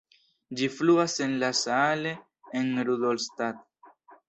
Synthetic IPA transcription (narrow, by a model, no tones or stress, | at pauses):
d͡ʒifluase̞nlasaale̞ | enɾud̪olst̪at̪̚